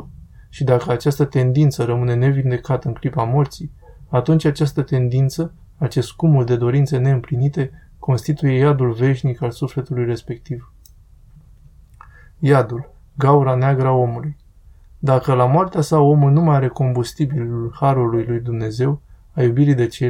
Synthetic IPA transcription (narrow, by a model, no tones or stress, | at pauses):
ʃid̪akəat͡ʃast̪ət̪e̞nd̪int̪səɾəmɨne̞ne̞vind̪e̞kat̪əɨŋklipamo̞rt̪siat̪unt͡ʃʲat͡ʃast̪ət̪e̞nd̪int̪sə | at͡ʃe̞skumuld̪e̞d̪o̞ɾint̪sene̞ɨmplinit̪e̞ | ko̞nst̪it̪uje̞jad̪ulve̞ʃnikalsufle̞t̪ulujre̞spe̞k̚t̪iv | jad̪ul | ɡauɾaneaɡɾao̞muluj | d̪akəlamoart̪easao̞mulnumajaɾe̞ko̞mbust̪ibilulhaɾulujlujd̪umne̞ze̞w | ajubiɾid̪e̞t͡ʃe